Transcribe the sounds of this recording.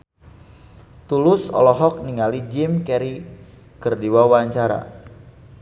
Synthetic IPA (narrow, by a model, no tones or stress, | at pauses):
t̪ulʊsɔ̰lɔɦɔk̚niŋalid͡ʒɪmkɛɾi | kərdiwawaɲt͡ʃaɾa̰